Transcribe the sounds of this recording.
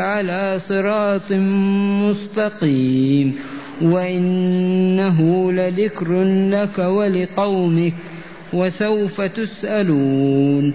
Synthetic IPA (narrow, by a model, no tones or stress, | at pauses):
ʕalaːsˤɨɾɑːt̪ˤmʊst̪ɑqiːm | waʔɪnːaɦʊlaðɪkɾlakawalɪqɑwmɪk | wasawfat̪ʊsʔaluːn